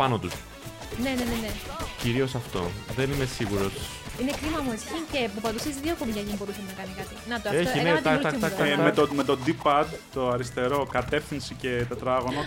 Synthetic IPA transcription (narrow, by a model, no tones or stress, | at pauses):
pɐnot̪us | ne̞neneneciɾio̞sɐft̪o̞̰ðe̞nimesiɣuɾo̞s | inekɾimɐmuescincepupɐðusesðiokomicɐʝinbo̞ɾusɐnɐkɐnikɐt̪inɐt̪eçineɐt̪ɐɐɐmet̪ome̞t̪od̪ipɐd̪t̪o̞ɐɾist̪e̞ɾo̞kɐt̪e̞fθinsice̞t̪et̪ɾɐɣo̞nɐ